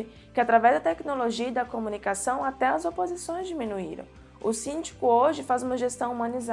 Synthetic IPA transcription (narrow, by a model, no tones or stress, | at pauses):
ɪ | kɪat̪ɾavɛzd̪ɐt̪ɛknoloʒiɐid̪ɐkomũnikasɐ̃w̃at̪ɛɐzopozisõj̃zd͡ʒimĩnuḭɾɐ̰̃w̃ | ʊsĩnd͡ʒi̥kʊoʒɪfazũmɐʒest̪ɐ̃w̃umɐ̃niza